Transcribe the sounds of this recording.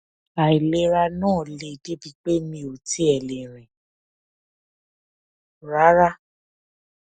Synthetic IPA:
a˨i˨le˦ɾa˧nãː˦˨le˧˨de˦bi˧k͡pe˦mĩ˧˨o˨ti˦ɛ˨lẽ˨ɾ̃ĩ˨ | ɾa˨˦ɾa˦

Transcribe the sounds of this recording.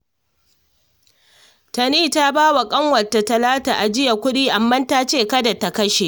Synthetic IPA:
tɐ˨niː˦ta˦baː˦wa˨kʼɐ˦ŋwɐ˨tːa˨tɐ˨laː˦taː˨ʔa˨d͡ʒɪ˦ja˨kʷʊ˦ɗiː˦ʔa˨mːɐ˦nta˦t͡ʃeː˦˨kɐ˦da˨ta˨kɐ˦ʃe˨ʔ

